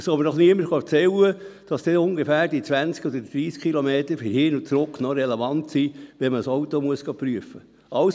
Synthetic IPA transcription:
sobəɾnɔχniəməɾχɑt͡sɛlːəd̥ɑsd̥ɛʊŋɡefæːɾd̥it͡sʋænt͡skɔd̥̪əd̥ɾiːskʰχilɔmeːt̪əɾfɪɾhɪnut͡sɾʊkːnɔɾɛlevɑntsiʋɛməsowt̪omuəsɡ̥ɑpɾyəfə | ɑws

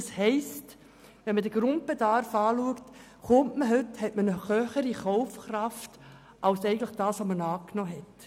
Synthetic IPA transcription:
shɛɪst | ʋɛnmədəɡ̥ɾʊnt̚b̥edɑrfɑːluəkt | χʊmtməɦɵthɛtmənəχœːχəɾiχɔʊfkrɑft | ʔawsɛɪɡən̩tləχd̥ɑːsʋomənɑːknɔːɦɛt

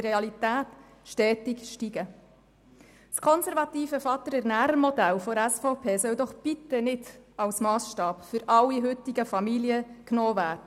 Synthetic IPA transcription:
ɾeɑlit̪æːt | ʃtɛːtikʃtiɡə | skʰɔnsɛɾvɑt̪iːfəfɑt̪ːəɾɛɾnæːɾəmɔd̪ælfɔɾæsfɔʊpʰeːsœwd̪ɔχb̥it̪ənɪdɑwsmɑːsʃtɑːpfʏɾɑlːiɦʏt̪iɡəfɑmiljəknɔːvæːɾdə

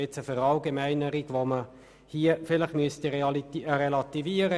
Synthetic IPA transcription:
ɪt͡səføɾɑlɡemæɪnəɾiɡʋomə | hiəfɪləχmyəst̪iʁlɾɛlɑt̪iviːəɾə

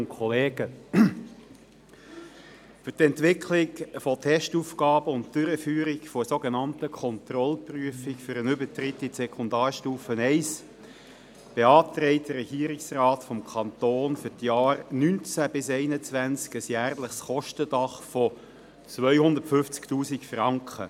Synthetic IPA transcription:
kʰɔleːɡə | fʏtɛntʋɪkʰlɪkfotʰɛʃtuːfkɑːbəʊntd̥ʏɾəfyːɾɪkfɔəsoɡenɑntəkʰɔnt̪rɔlpryəfɪkfʏɾənʏbətɾɪtːisɛkʰʊndɑːrʃtuːfənɛɪs | b̥eɑːt̪ɾɛɪt̚d̥əɾɛɡ̥iːəɾɪksrɑːtfɔmkʰɑnt̪oːnfʏtjɑːrnynt͡sæb̥ɪsɛɪnət͡svænt͡skəsjæːrləχsχɔʃtəd̥ɑχfɔ | t͡svœʏhʊnd̪əɾtfʏft͡sktuːsikfrɑŋkχə̰

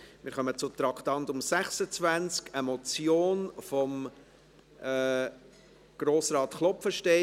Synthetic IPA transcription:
mɪːɾχœmət͡sʊt̪ɾɑkʰtɑntʊmsæχsət͡svænt͡skəmɔt͡sjoːnfɔm | ɛː | ɡ̥ɾoːsɾɑːt̪χlɔpfəʃtɛ

